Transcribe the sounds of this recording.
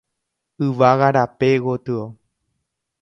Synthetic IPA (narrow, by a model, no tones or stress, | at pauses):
ɨʋaɣaɾapeɣot̪ɨo